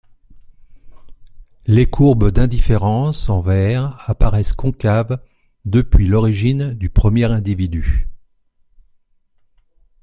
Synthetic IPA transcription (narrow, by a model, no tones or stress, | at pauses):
lekʰuʁbd̪ɛ̃d̪ifeʁɑ̃sɑ̃vɛʁapaʁɛskɔ̃kav | d̪əpɥilɔʁiʒind̪ypχəmjɛʁɛ̃d̪ivid̪y